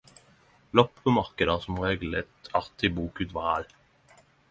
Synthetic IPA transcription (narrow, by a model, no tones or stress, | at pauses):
lɔppomɑʁkəd̪əsɔmʁeːɡlət̪ʰɑʁt̪ʰɪbuːkʉːt̪ʋɑʁɑl